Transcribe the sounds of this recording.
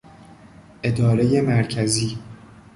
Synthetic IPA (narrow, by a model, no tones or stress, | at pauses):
ʔe̞d̪ɒːɾe̞je̞mæɾcʰæziː